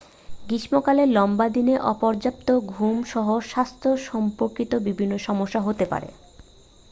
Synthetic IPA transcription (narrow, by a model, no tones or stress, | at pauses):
ɡiʃmokaleɾlɔmbad̪ineʔɔpɔɾd͡ʑap̚t̪oɡʱumʃɔɦoʃast̪ʰoʃɔmpoɾkit̪obibʱinːoʃɔmoʃːaɦot̪epa̰ɾḛ